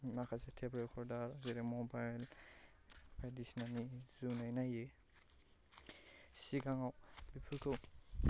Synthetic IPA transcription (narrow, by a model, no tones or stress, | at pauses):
makʰasetʰebɾekʰɔɾdaɾaziɾemɔbajl | padisnamizunajnaje | siɡaŋaw | bipʰɯkɯw